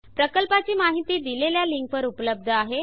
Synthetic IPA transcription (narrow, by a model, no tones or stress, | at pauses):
pɾəkəlpat͡ɕiːmaɦit̪iːd̪ileljaliŋk̚ʋəɾupələb̚d̪ʱəaɦe